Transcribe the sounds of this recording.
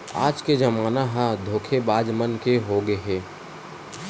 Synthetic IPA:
a̰ːd͡ʒked͡ʒɐmaːnaɦãd̪ʱoːkʰebaːd͡ʒmənkeɦoɡeɦɛː

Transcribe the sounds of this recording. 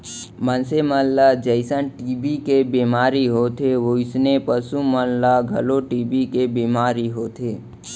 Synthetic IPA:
mənseməllad͡ʒəɪsənʈiːbikebimaːɾiɦot̪ʰeʋoɪsnepəsuməllaɡʱə̰loʈiːbikebimaːɾiɦoːt̪ʰeː

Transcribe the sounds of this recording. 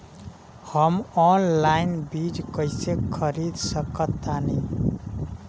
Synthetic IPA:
hʌmɔnlajnbid͡ʒkʌjsekʰʌɾid̪sʌkʌt̪ːani

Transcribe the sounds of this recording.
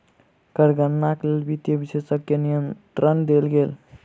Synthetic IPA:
kəɾɡənːaklelbit̪jəbisesəkjənijənt̪ɾənd̪elɡel

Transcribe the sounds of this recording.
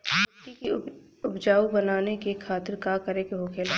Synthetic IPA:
kiki | ʊbd͡ʒaːubɐnaːnekekʰaːt̪ɪɾkakɐɾekeɦokʰeːla

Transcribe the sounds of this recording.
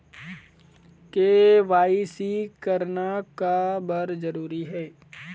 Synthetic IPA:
keʋaːisikəɾnakabɐɾzəɾuːɾiɦɛː

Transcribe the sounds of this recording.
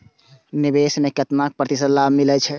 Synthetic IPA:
nibesmekət̪nak̚pɾət̪isəlːamilɛt͡ʃʰɛ

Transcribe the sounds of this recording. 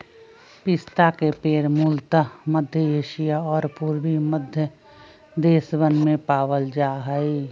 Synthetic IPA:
pɪst̪akepeːɾmuːlt̪aməd̪ʱjəeːʃijaɔːɾpuːɾbiməd̪ʱjə | d̪eːsʋənmẽpaːwəld͡ʒaːɦəi

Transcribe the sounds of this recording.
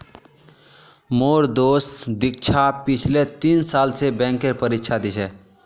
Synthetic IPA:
moɾd̪osd̪ik̚t͡ʃʰapit͡ʃʰlet̪insalsebɛ̃ŋkeɾpəɾikt͡ʃʰad̪it͡ʃʰɛ

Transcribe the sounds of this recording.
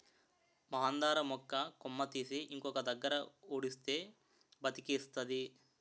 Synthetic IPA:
mɐɦaːnd̪aːɾɐmɔkːɐkomːɐt̪isiʔiŋkɔkɐd̪ɐɡːɐɾɐoːɽist̪eː | bɐt̪ikist̪ɐd̪i

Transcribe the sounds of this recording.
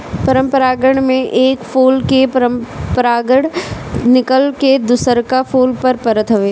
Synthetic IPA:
pəɾə̃mpəɾaːɡəɽ̃mẽʔeːkfʰoːlkepəɾəmpəɾaːɡəɽnɪkəlked̪ʊsəɾkapʰoːlpɐɾpəɾət̪ɦʊʋeː

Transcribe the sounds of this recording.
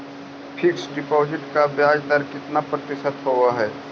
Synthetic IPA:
pʰɪksɖɪpoːd͡ʒɪʈkabjaːd͡ʒd̪əɾkɪt̪napɾɐt̪ɪʃət̪ɦoaɦɛː

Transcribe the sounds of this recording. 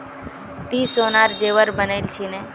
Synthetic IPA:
t̪isonaɾd͡ʒeʋəɾbənejlt͡ʃʰine

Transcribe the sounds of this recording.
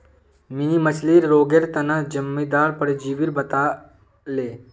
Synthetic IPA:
minimət͡ʃʰliːɾɾoːɡeɾt̪ɐnad͡ʒɐmːid̪aːɾpɐɽed͡ʒiːʋiɾbɐt̪aː | leː

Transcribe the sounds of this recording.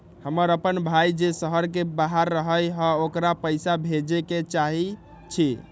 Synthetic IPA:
həməɾəpənbʱajd͡ʒesəɦəɾkebaɦaɾːəɦəjɦə̃okɾapəjsabʱed͡ʒeket͡ʃaɦi | t͡ʃʰi

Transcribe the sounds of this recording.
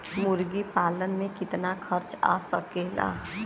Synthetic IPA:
mʊɾɡipaːlənmẽkɪt̪nakʰəɾt͡ʃa̰ːsəkela̰ː

